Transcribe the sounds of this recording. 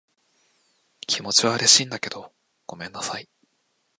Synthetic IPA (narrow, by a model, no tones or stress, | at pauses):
kʲʰimo̞t͡ɕiβaɯ̟ɾe̞ɕiːnd̪ake̞d̪o̞ | ɡ̥o̞mẽ̞nːasai